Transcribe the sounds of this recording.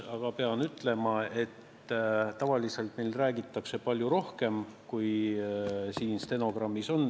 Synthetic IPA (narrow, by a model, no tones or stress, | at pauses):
ɑɡ̥ɑpe̞ɑnyt̪ˑle̞mɑe̞t̪ | t̪ɑvɑlise̞lt̪mejlræːɡit̪ːˑɑkse̞pɑlʲjuɾo̞hke̞mkuj | siːnst̪e̞no̞ɡ̥rɑmːiso̞n